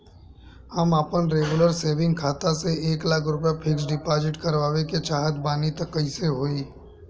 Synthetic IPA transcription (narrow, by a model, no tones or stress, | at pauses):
hɐməpənɾeːɡʊləɾseːʋɪ̃ŋɡkʰaːt̪aseeːklaːkʰɾʊpjapʰɪksɖɪpaːd͡ʒɪʈkɐɾʋaːʋeket͡ʃaːɦət̪baːnit̪əkəiseɦoːiː